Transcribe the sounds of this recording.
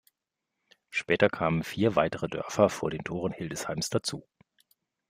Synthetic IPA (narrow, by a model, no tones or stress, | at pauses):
ʃpɛːtɐkʰaːmənfiːɐvaɪtəʁədœ̰ɐfɐfoːɐɾeːntʰoːʁənhɪldəshaɪmsd̥at͡sṵː